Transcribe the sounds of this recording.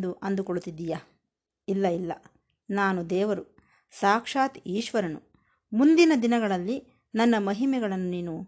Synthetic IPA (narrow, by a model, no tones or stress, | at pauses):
d̪uʔɐnd̪ukoɭut̪ːid̪ːija | ilːɐilːɐ̰ | naːnud̪ɛːʋɐɾu | saːkʂaːt̪iːʃʋɐɾɐnṵ | mund̪inɐd̪inɐɡɐɭɐlːi | nɐnːɐmɐɦimɛɡɐɭɐnːuniːnu